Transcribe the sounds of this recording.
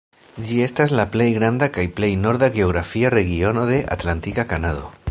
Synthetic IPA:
d͡ʒie̞stazlaple̞jɡɾand̪akajple̞jno̞ɾðaɣe̞oɣɾafiare̞ɣio̞noðe̞ʔa̰t̪lant̪ikakanaðo̰

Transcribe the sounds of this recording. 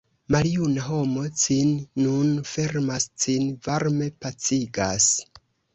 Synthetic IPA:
maljunaɦo̞mo̞t͡sinːunfe̞ɾmast͡sinvaɾme̞pat͡siɡas

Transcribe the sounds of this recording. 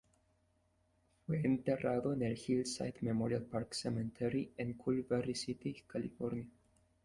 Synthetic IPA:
weent̪eraðoneɾhilsa̰jt̪memɔɾialpaɾksɛmɛ̃nt̪ʰɛɾiɛ̃nkʰulvɛɾisit̪ikʰalifɔɾnia

